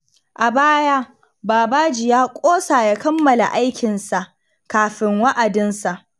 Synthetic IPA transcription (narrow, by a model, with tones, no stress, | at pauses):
ʔa˨baː˦ja˦ | baː˨baː˦d͡ʒɪ˨jaː˦kʷʼoː˦saː˨ja˦kɐ˦mːɐ˨la̰˨ʔa˦jkʲɪ˨nsa˨ʔ | kaː˨ɸɪ˦ŋwa˦ʔa˨dɪ˦nsa˨ʔ